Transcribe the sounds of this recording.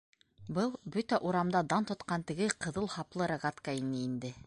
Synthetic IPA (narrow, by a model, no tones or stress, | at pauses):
bɤlˠbɵt̪æʔuɾɑmd̪ɑd̪ɑnt̪ŏt̪qɑnt̪ɘ̆ɡɘqɤ̆ðɤlˠhɑplˠɤɾaʁat̪kainɘind̪ɘ